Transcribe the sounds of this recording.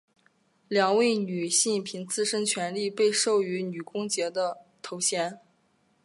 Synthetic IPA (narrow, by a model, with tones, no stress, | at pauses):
ljɑ˨˩ŋwe˥˩ɪny˨˩ɕi˥˩i˥˩pʰi˧˥ŋt͡sɹ̩˥˧ʂə˥nt͡ɕʰɥɛ˧˥nli˥˧pe˥˧ɪʂo˥˩ʊy˧˥ny˨˩kʊ˥ŋt͡ɕjɛ˧˥d̪ə˧t̪ʰo˧˥ʊɕjɛ˧˥n